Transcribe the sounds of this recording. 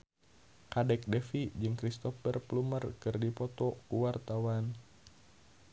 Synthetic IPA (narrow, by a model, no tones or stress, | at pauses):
kadɛk̚dɛfid͡ʒɨŋkɾist̪ɔfərplumərkɨrdipɔt̪ɔkuwart̪awan